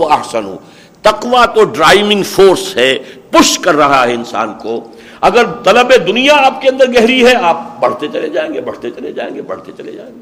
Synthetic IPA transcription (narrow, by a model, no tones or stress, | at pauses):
ɐɦsənɦõ̰ː | t̪ɐqʋat̪oɖɾaːɪʋɪ̃ŋɡfoːɾsɦɛːpʊʃkɐɾːɐɦaɦɛɪnsa̰ːnko | ɐɡəɾt̪ɐləbed̪ʊnijaaːp̚keɐ̃nd̪əɾɡɛɦɾiɦɛaːp̚bɐɽ̤t̪et͡ʃɐled͡ʒaːẽːŋɡebɐɽ̤t̪et͡ʃɐled͡ʒa̰ːḛ̃ːŋɡebɐɽ̤t̪et͡ʃɐlḛd͡ʒa̰ːẽːŋɡe